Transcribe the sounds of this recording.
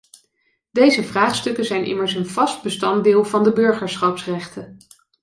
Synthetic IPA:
d̥ejzəvraːχstɵkəzɛjnʔɪ̰məɹsənv̥ɑst̚bəstɑnddɪːlˠvɑndəbɵɹχəɹsχɑpsrɛχtən

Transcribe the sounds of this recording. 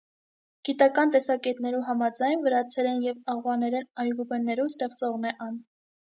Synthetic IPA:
ɡ̥it̪ɑkɑnt̪ɛsɑkɛt̪nɛɾuɦɑmɑd͡zɑjnvəɾɑt͡sʰɛɾɛnjɛvɑʁwɑnɛɾɛnɑɾɡubɛnːɛɾust̪ɛʁt͡sɔʁnɛʔɑn

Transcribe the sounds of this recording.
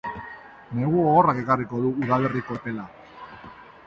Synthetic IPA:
ne̞ɣuoɣorake̞kariko̞ðuuðale̞riko̞t̪e̞la

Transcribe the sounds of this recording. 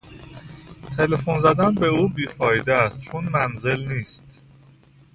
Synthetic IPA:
t̪ʰe̞lefonzæd̪ænbe̞uːbiːfɒːjid̪eæst̪̚t͡ʃʰonmænze̞lniːst̪

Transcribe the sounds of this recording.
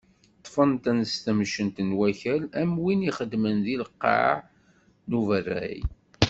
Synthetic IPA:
t̪ˤːfənt̪ænəst̪əmʃənt̪ənwæçælæmwiniχəd̪mənðilqːɑ̰ʕ | nuvərːæ̰j

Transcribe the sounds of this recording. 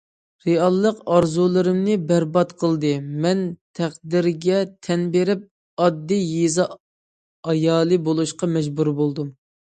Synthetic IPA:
ɾeɑlˠːəqɑɾzulˠɨɾɪmnɨbæɾbɑt̪qʰəlˠd̪ɨmɛnt̪ʰæχd̪ɪɾɡʲɛt̪ʰɛnbeɾɪp̚ | ɑd̪ːijezɑ | ɑjɑːlˠɨbolˠuʃqɑmɛd͡ʒbuɾbolˠd̪um

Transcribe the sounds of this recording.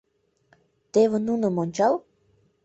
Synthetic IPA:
t̪eβĕnunə̆monʲt͡ɕɑl

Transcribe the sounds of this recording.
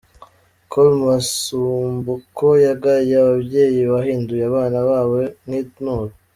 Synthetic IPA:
kolumasuːmbukʰojaɡaɾijaβabje̞ːjiβaɦiːndujeaβaːnaβaːwenhinoːɾ

